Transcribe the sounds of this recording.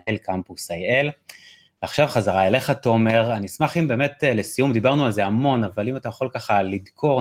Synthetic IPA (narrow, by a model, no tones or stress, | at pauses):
elkampusajel | veaχʃavχazaʁaele̞χatome̞ʁanismaχimbe̞me̞tle̞sijumd̪ibaʁnualze̞amo̞navalimatajaχo̞lkaχalid̪kʰo̞ʁ